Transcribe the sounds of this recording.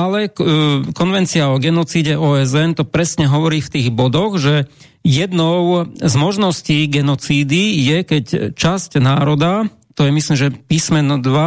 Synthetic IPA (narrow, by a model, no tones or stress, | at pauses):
alɛkɔnʋɛnt͡siaɔɡɛnɔt͡siːɟɛʔɔːɛzɛnt̪ɔpɾɛsɲɛɦɔʋɔɾiːft̪iːɣbɔd̪ɔɣʒɛ | jɛd̪nɔʊzmɔʒnɔsciːɡɛnɔt͡siːd̪ijɛkɛct͡ʃascnaːɾɔd̪a | t̪ɔjɛmisliːmʒɛpiːsmɛnɔd̪ʋa